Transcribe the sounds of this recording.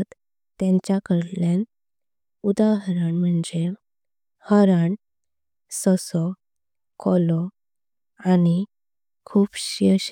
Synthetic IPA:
t̪ | t̪ːẽɲt͡ɕjakəɾlen | ud̪aɦɾaɳm̤əɳd͡ze | həɾaɳ | sɔsɔ | kʰɔlɔ | ani | kʰuːbɕəɕ

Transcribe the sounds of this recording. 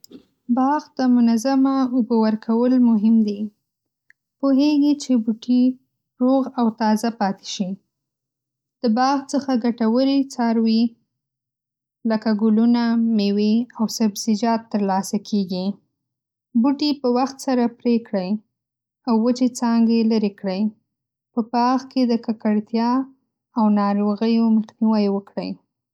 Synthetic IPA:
bɑɣd̪̥əmʊnazamaʊbowəɾkʰawəlmʊɦɪmd̪i | poɦeɡit͡ʃebuʈʰi | ɾoɣawt̪ɑzapɑt̪e̥ʃi | d̪̥əbɑɣt͡səxaɡaʈawəɾit͡sɑɾwi | ləkaɡʊlunameweawsabz̥ɪd͡ʒɑt̪ːəɾlɑsakʰeɡi | buʈipəwaxt̪saɾapɾekɽəj | awːət͡ʃet͡sɑŋɡeləɾekɽəj | pəpɑɣked̪əkakaɽt̪jɑ | awnɑɾoɣəjoməxniwəjwəkɽə̰j

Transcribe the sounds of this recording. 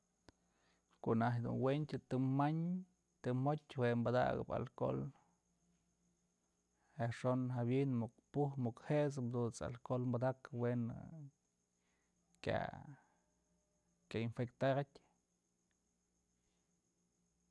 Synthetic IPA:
koʔnaɦd̪ṵnwent̪ʲt̪ɨmaɲ | t̪ɨmotʲwembad̪a̰ɡɨ̰ba̰lko̰l | eʂonɦabjinmukpuhmukheʔsɨmd̪ut͡sa̰lkolmbad̪akwen | kja̰ | kʲainfekt̪aɾat̪ʲ

